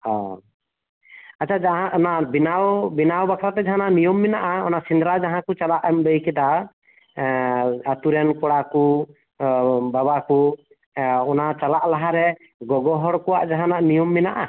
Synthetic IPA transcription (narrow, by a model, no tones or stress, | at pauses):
hɔ̃ | at͡ʃʰad͡ʒaɦãʔɔnaʔbinawbinawbakʰɾat̪ɛd͡ʒaɦanaʔnijɔmːɛnaʔaɔnaʔsind̪ɾad͡ʒaɦãkut͡ʃalaʔambəjkɛd̪a | at̪uɾɛnkɔɽaku | babaku | ɔnat͡ʃalaʔlaɦaɾɛ | ɡɔɡɔɦɔɽkɔwaʔd͡ʒaɦãnaʔnijɔmːɛnaʔa